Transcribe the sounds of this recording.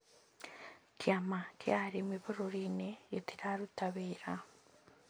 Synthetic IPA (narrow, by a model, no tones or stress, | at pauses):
kiamakjaːɾimiβoɾoɾinejetiɾaɾutaβeːɾa